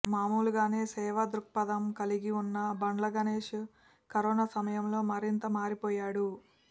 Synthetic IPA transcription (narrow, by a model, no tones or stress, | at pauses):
maːmuːluɡaːne̞ːsɛːʋɐd̪ɾuk̚pɐd̪ɐmkɐliɡiunːɐbɐɳlɐɡɐneːʂ | kɐɾɔːnaːsɐmɐjɐmlo̞ːmɐɾint̪ɐmaːɾipɔːjaːɽu